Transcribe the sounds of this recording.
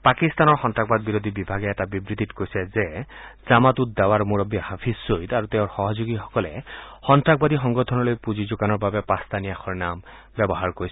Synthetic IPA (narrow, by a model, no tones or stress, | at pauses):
pakist̪anɔɹxɔntak̚bad̪̚biɾod̪ʱibibʱaɡɛɛtabibɹit̪itkojsɛzɛzamat̪ut̚d̪awaɹmuɹɔbihapʰisːojt̪aɹut̪eʊ̃ɹxɔɦɔzoɡixɔ̥kɔlɛxɔntɹak̚bad̪ixɔŋɡɔtʰɔnɔlojpuzizuɡanɔɹbabɛpast̪anijaxʰɔɹnam | bɛbɔɦaɹkoɹis